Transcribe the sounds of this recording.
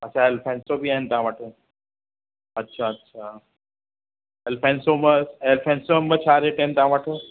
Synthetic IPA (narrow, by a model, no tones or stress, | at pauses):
ɐtːʃʰaelpʰensobʱiaːɦint̪ãʋəʈʰə | ɐtːʃʰaɐtːʃʰa | elpʰensoməelpʰẽnsomət͡ɕʰaːɾeʈent̪ãʋəʈʰə